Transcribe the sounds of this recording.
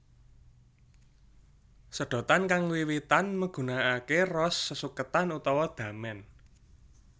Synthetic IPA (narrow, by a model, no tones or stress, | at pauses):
səɖ̥ɔ̤t̪ankaŋwiwit̪anməɡ̥ṳnaːkerɔsːəsukət̪anut̪ɔwɔd̪̥ä̤mɛn